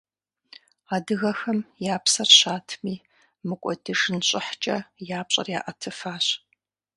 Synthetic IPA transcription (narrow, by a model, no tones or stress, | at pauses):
aːdɨɣɐxɐmjaːpsɐrɕaːtʰmiː | mɨkʷʼɔdiʂɨnɕʼɪħt͡ʃʼɐjaːpɕʼɐ̰rjaːʔɐtʰɨfaːɕ